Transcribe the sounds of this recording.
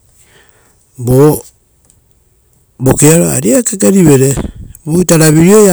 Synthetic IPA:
bo | bokeaɾoa̰ɾiakekaɾiβeɾebuitaɾaβiɾioja

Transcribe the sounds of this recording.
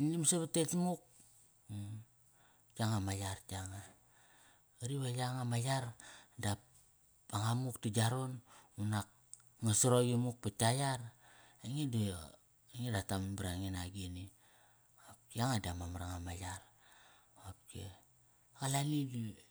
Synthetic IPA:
nimsaβatetmuk̚ | t͡ʃaŋamajaɾtaŋa | aɾiβajaŋamajaɾdap | aŋamuktid͡ʒaɾo̞nunak̚ | ŋasoɾoɡimuk̚patajaɾ | eŋid | eŋedatambɾaŋenaɡini | ap̚iaŋadamamaɾaŋamajaɾ | ap̚kḛ | alanidi

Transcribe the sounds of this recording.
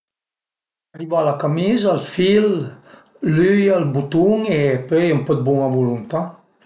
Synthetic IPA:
aribaːlakamizalfil | lyjalbut̪uŋepøjɛmpɔd̪̚buŋavulunt̪a

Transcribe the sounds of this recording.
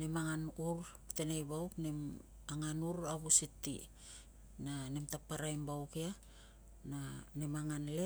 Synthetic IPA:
nemaŋanuɾ | te̞nejbawknem | aŋanuɾaβusitːḭ | nanemtapːaɾajmbawkia | nanemaŋanle

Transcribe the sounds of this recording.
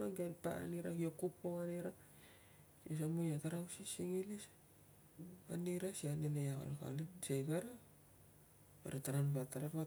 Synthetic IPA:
aɡanpa̰a̰niɾahiokupoaneɾa | ios̬amujataɾawsisiŋilis | aniɾasianenejaβa̰lka̰nesejɡaɾa | bḛɾataɾanpataɾaβa

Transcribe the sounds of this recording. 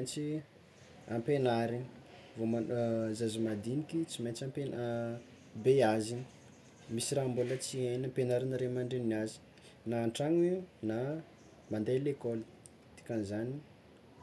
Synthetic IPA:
nt͡si | ampenaɾini | vomazazimad̪inikʲit͡siment͡sampen | beazin | misiraːmbulət͡sienampenaɾinaɾemaɳɖ͡ʐennazi̥ | naːɳʈ͡ʂaŋina | mand̪elekɔli | t̪i̥kʲanzani

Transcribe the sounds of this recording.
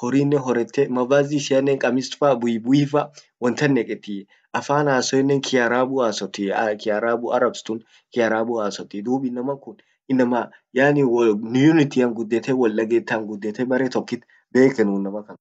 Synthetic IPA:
hɔɾiːnːɛɦɔɾɛt̪ːɛmɐvaːziːsɪjɐnːɛŋkʼɐmɪst̪fɐbʊjɪbʊiːfɐ | wɔnt̪ɐnːɛkʼɛt̪ːi | ʔɐfaːnaːsɔɛnːɛŋkʰɪjɐɾaːbʊaːsɔt̪ːikɪjaɾaːbʊʔɐɾɐbst̪ʊn | kɪjɐɾaːbʊaːsɔt̪ːɪd̪uːbɪnːɐmɐkʊn | ɪnːɐmɐ | jaːniwnjʊnɪt̪iːɐŋɡʊd̪ːɛt̪ɛwɐlːɐɡɛt̪ːaŋɡʊd̪ːɛt̪ɛbɐɾet̪ɔkːɪt̪ | beːkɛnʊnːɐmɐkɐn

